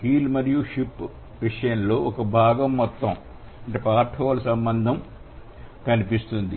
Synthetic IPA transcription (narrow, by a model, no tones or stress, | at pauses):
hiːlmɐɾijuʂipː | ʋiʂɐjɐnlo̞ːʔɔkɐbʱaːɡɐmːɔt̪ːɐm | ɐɳʈeːpaːɾʈʰɔːʋɐlɐsɐmbɐnd̪ʱɐm | kɐnipist̪und̪i